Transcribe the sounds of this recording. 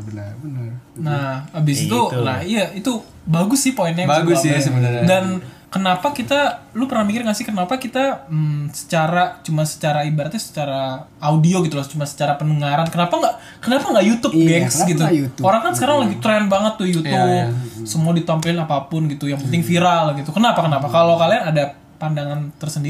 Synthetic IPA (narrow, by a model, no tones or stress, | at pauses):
nahabɪsit̪ulahijait̪u | baɡʊsɪhpoinɛaɡʊsasədankənapakit̪alupərnahmikɪrkasɪhkənapakit̪asə̥t͡ʃaɾat͡ʃumansə̥t͡ʃaɾaibaɾat̪jasə̥t͡ʃaɾaːudioɡit̪ulaht͡ʃumansə̥t͡ʃaɾapənəŋaɾankənapaŋɡaʔ | kənapaŋɡaʔjut̪ʊp̚ɡɛŋksɡit̪uoɾaŋkansəkaɾaŋlaɡit̪ɾɛnbaŋət̪ːujut̪ʊbsəmuadit̪ampəlɪnapapʊnɡit̪ujaŋpənt̪ɪŋfiɾalɡit̪ukənapakənapakalokalianada | pandaŋant̪ərsəndi